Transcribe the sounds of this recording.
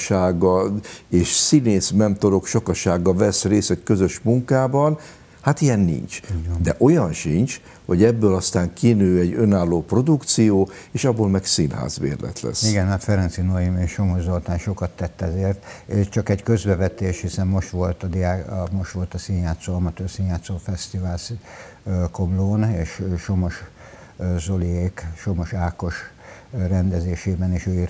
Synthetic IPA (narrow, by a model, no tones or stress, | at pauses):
ʃaːɡːɒeːʃsineːsmɛnt̪o̞ɾo̞kʃɒkɒʃaːɡːɒvɛsreːsɛckø̞zø̞ʃmuŋkaːbɒn | hat̪ijɛnːḭɲt͡ʃd̪ɛʔo̞jɒnʃiɲt͡ʃ | ho̞̰ɟɛbːøːlɒst̪aːŋkinøːɛɟønaːlːoːpro̞d̪ukt̪sijoːeːʃɒbːoːlmɛksinha̰ːzʋḛːrlɛ̰t̪lɛ̰siɡɛnhat̪fɛɾɛnt̪sinojimeʃomoʒzolt̪aːnʃokɒt̪ːɛt̪ːɛzeːrt̪eʃt͡ʃɒkɛɟkø̞zbɛvɛt̪eːʃhisɛmːo̞ʃt̪ʋo̞lt̪ɒd̪ijaːmo̞ʃt̪ʋo̞lt̪ɒsinjaːt̪soɒmɒt̪øːrsinjaːt̪soːfɛst̪ivaːls | komloːneːʃʃo̞mo̞ʃ | zo̞lieːkʃo̞mo̞ʃaːko̞ʃ | rɛnd̪ɛzeːʃeːbɛneʃøːir